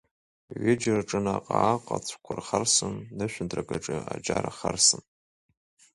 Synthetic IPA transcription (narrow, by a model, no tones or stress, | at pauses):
ɥɪd͡ʒrʈ͡ʂʼɨnaqʼaːqʼat͡sʷʰkʷʰʊrχarsɨnːɨʃʷᶣʊndrakʼaʈ͡ʂʼɨad͡ʒaɾaχarsɨn